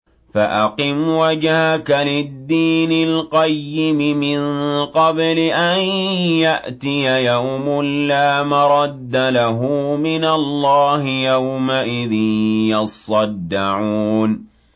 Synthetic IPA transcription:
faʔaqɨmwad͡ʒhakalɪd̪ːiːnɪlqɑjːɪmɪmɪnqɑblɪʔanjaʔt̪ɪjajawʊmʊlːaːmɑɾˤɑd̪ːalaɦʊmɪnalˤːɑːhɪjawmaʔɪðɪnjɑsˤɑd̪ːaʕuːn

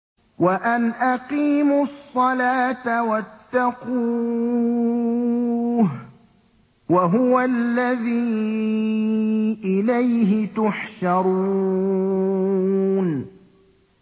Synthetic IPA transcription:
waʔanʔaqiːmʊsˤːɑlaːt̪awat̪ːɑquː | h | waɦʊwalːaðiː | ʔɪlajɦɪt̪ʊħʃɑɾˤu | n

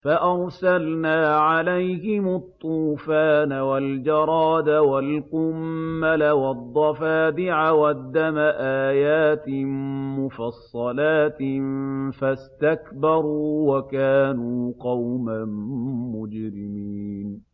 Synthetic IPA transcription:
faʔɑɾˤsalnaːʕalajhɪmʊt̪ˤːuːfaːnawald͡ʒɑɾˤɑːd̪awalqʊmːalawɑd̪ˤːɑfaːd̪ɪʕawad̪ːamaʔaːjaːt̪ɪmʊfɑsˤːɑlaːt̪ɪfast̪akbɑɾˤuːwakaːnuːqɑwmanmʊd͡ʒɾɪmiːn

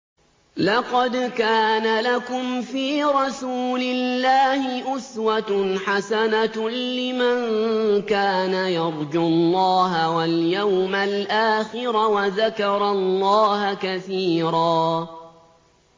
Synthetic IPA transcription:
lɑqɑd̪kaːnalakʊmfiːɾˤɑsuːlɪllːaːhɪʔʊswat̪ħasanalɪmankaːnajɑɾˤd͡ʒʊlːɑːɦawaljawmalʔaːxɪɾawaðakɑɾˤɑlːɑːhakaθiːɾˤɑː

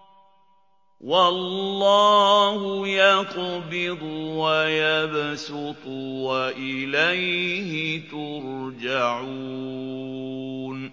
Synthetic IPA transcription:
wɑlːɑːhʊjɑqbɪd̪ˤʊwajabsɪt̪ˤʊwaʔɪlajhɪt̪ʊɾd͡ʒaʕu | n

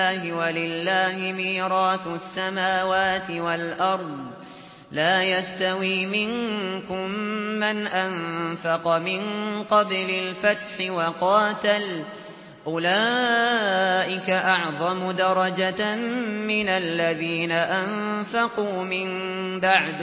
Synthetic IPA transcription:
hɪwalɪlːaːhɪmiːɾɑːθʊasːamaːwaːt̪ɪwalʔɑɾˤðˤ | laːjast̪awiːmɪŋkʊmːanʔanfɑqɑmɪnqɑblɪlfat̪ħɪwɑqɑːt̪al | ʔʊlaː | ʔɪkaʔɑʕðˤɑmʊd̪ɑɾˤɑd͡ʒa | mɪnalːaðiːnaʔamfaquːmɪm | baʕd̪

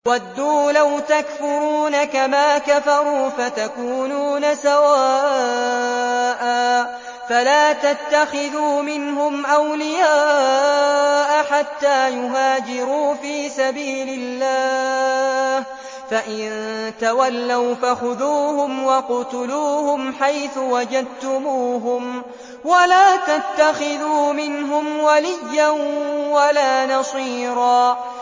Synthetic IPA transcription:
wad̪ːuːlawt̪akfʊɾuːnakamaːkafɑɾˤuːfat̪akuːnuːnasawaːʔ | ʔaː | falaːt̪at̪ːaxɪðuːmɪnɦʊmʔawlɪjaː | ʔaħat̪ːaːjʊɦaːd͡ʒɪɾuːfiːsabiːlɪlːaː | h | faʔɪnt̪awalːawfaxʊðuːhʊmwɑqʊt̪ʊluːhʊmħajθʊwad͡ʒad̪̚t̪ʊmuːɦʊm | walaːt̪at̪ːaxɪðuːmɪnɦʊmwalɪjːanwalaːnɑsˤiːɾˤɑː

